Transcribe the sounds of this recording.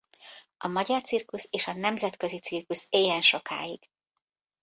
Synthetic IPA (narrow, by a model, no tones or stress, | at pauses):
ɒmɒɟɒrt̪sirkuseːʃɒnɛmzɛt̪kø̞zit̪sirkuseːjɛnʃo̞ka̰ːjiɡ̥